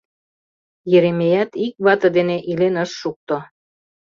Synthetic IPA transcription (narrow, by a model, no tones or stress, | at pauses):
jeɾemejæt̪ik̚βɑt̪ɤd̪eneʔilenəʃːuk̚t̪o